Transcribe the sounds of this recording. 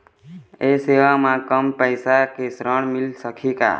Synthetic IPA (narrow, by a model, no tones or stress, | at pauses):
eseʋamãkəmpəɪsakesɾəɳmɪlsəkʰika̰ː